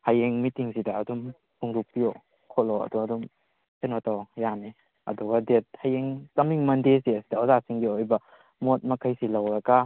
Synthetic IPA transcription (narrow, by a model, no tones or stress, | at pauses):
hajeŋmitiŋsidaːdum | huŋɾuk̚pio | kʰɔlɔɐ̰duadum | enɔtawjane | ɐ̰duɡadet̚hajeŋkɐmiŋmɐndesiɐsi̥dɐozasiŋɡiojbɐ | mot̚mɐkʰajsilawɾɐɡa